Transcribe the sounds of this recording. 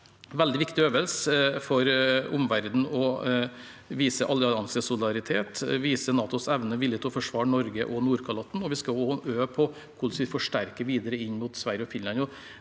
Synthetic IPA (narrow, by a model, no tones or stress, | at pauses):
ʋɛld̪ɪʋɪkt̪ɪøːʋəlsəfɔɾʊmʋæɾd̪n̩ɔ | ʋiːsəʔɑlɑnsəsʊlɪd̪ɑɾɪt̪ʰeːt̪ʋiːsənɑːt̪ʊsɛʋnəʋɪljət̪ʰːfɔʂʋɑːɳɔɾɡə̰ʔɔnuːɾkʰɑlɑt̪ːn̩ɔʋɪskɑoøːpʰɔ | kʰʊlsʋɪfɔʂʈæɾkəʋiːd̪əɾəɪɲːmuːt̪sʋæɾjəɔfɪnlɑnɔ